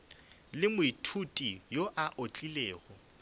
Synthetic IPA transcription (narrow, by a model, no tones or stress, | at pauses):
lɪmʊitʰutʼijoʔaʔot͡ɬʼileːɣɔ